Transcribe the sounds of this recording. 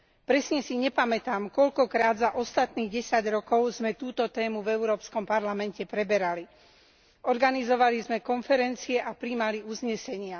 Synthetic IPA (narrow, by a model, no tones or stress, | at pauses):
pɾɛsɲɛsiɲɛpamɛt̪aːmkɔʎkɔkɾaːd̪zaʔɔst̪at̪niːɣɟɛsaɟɾɔkɔʊzmɛt̪uːt̪ɔt̪ɛːmuvɛʊɾɔːpskɔmpaɾlamɛncɛpɾɛbɛɾali | ɔɾɡanizɔʋalizmɛkɔnfɛɾɛnt͡siɛʔapɾimaliuzɲɛsɛɲɪa